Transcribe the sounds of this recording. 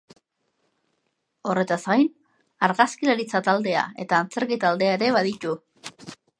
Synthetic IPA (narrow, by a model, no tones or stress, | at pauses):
o̞re̞t̪azɣajn | aɾɣaskilaɾit͡sat̪ald̪e̞a̰e̞t̪aːnt͡se̞ɾkit̪ald̪e̞aeɾe̞βaðit̪u